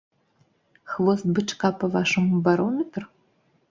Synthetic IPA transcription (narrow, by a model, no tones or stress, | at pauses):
xvost̪̚bɨʈ͡ʂʰʼkapɐvaʂɨmbaɾomet̪ʰʼr